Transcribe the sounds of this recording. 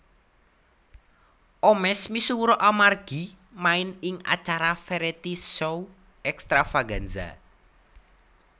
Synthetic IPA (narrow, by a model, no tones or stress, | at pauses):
ʔɔmɛsmisuwuɾɔʔamarɡ̥i̤ | maɪnɪŋa̰t͡ʃaɾafeɾet̪isow | ɛkst̪ɾafaɡanza̰